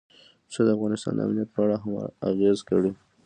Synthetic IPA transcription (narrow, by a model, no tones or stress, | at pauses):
səd̪əafɣɑnɪst̪ɑ̰nd̪ə̰a̰mnijat̪̚pəaɽaɦam̰a̰ɣezkəɽu